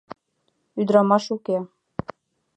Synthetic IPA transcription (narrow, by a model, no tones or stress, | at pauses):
yd̪ɾɑmɑʃuke